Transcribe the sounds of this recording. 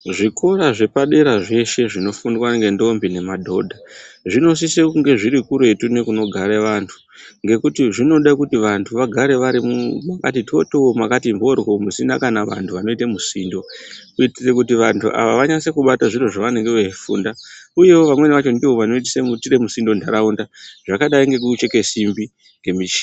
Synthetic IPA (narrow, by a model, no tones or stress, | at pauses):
ʐiko̞raʐe̞paɗe̞ɾaʐe̞ʃe̞ʐino̞fundwaŋɡe̞ndo̞mbine̞madʱo̞dʱaʐino̞s̬isekuŋɡe̞ʐiɾikuɾe̞tune̞kuno̞ɡʱaɾeʋantʰu̥ | ŋɡe̞kutiʐino̞ɗakutiʋantʰuʋaɡʱaɾe̞ʋaɾimumaka̰tito̞tomakatimbo̞rɣo̞musinakanaʋa̰ntʰuʋano̞itemusiːndo̞kuitisekutiʋantʰuʔa̰ʋaʋaɲase̞kuɓataʐiroʐaʋane̞ŋɡeʋeifṵːndauje̞wo̞ʋamwe̞niʋat͡ʃondiwoʋano̞it̬isemutiɾemusindo̞ndʱaɾaundaʐ̥akaɗaiŋɡe̞k̬ut͡ʃe̞ke̞simbi | ŋɡe̞mit͡ʃi̥